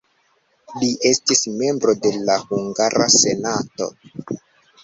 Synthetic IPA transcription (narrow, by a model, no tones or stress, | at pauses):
liʔe̞stisme̞mbɾo̞de̞lahuŋɡaɾase̞nato̞̰